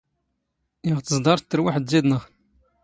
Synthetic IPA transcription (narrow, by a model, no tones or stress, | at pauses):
jiʁt̪əzd̪ˤɑɾˤt̪ːəɾwaħəd̪ziðnəʁ